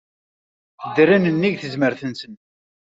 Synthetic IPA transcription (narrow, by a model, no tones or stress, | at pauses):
θəd̪ɾinənːiʝθəzməɾθənsən